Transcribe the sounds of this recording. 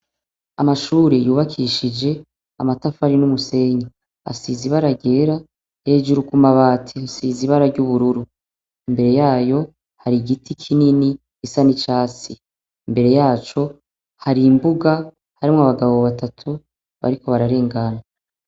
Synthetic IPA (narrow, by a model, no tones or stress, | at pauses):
a̰maʃuːɾejuːβakʰiʃid͡ʒe̞ | amatafaɾinumuse̞ɲa | a̰siziβaɾaɡe̞ːɾa | he̞ːd͡ʒuɾukumaβaːtʰisiziβaɾaɾɟuβuɾuɾu | imbe̞ɾe̞jaːjo̞ | haɾiɡitʰikʰinini | isanit͡ʃaːt͡siː | mbe̞ɾe̞jaːt͡ʃo̞ | haɾimbuɡa | haɾimŋoaβaɡaβo̞βatatʰu | βa̰ɾiko̞βaɾaɾe̞ːŋɡana